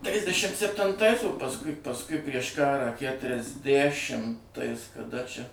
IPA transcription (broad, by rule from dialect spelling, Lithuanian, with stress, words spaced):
ˈtʲrʲɪzʲdʲɛʃʲɪm sʲɛpʲtʲɪnˈtɐɪs oː pɐsˈkʊɪ pɐsˈkʊɪ pʲrʲiɛʃ ˈkɑːrɑː kʲætʲrʲɛzʲˈdʲæʃʲɪmtɐɪs kɐˈdɐ t͡ʃʲɛ